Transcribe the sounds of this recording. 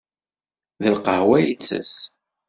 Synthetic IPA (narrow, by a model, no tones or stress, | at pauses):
ðəlqəhwæjət͡sːə̰s